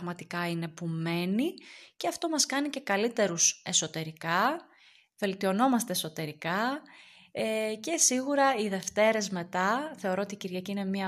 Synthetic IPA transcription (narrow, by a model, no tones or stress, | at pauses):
ɣmɐt̪ikɐine̞pume̞niceɐft̪o̞mɐskɐnice̞kɐlit̪e̞ɾuse̞so̞t̪e̞ɾikɐ | ve̞lt̪io̞no̞mɐst̪e̞ːso̞t̪e̞ɾikɐ | ece̞siɣuɾɐiðe̞ft̪e̞ɾe̞zme̞t̪ɐθe̞oɾoot̪iciɾʝɐciine̞miɐ